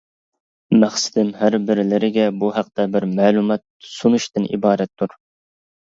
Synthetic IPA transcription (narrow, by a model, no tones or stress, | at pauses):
mæχsɪ̥d̪ɪmɦæɾbɪɾlɪɾɪɡʲɛbuɦæq̚t̪ɛbɪɾmæːlˠumɛt̪̚sunuʃt̪ɨnḭbɑːɾɛt̪ʰːuɾ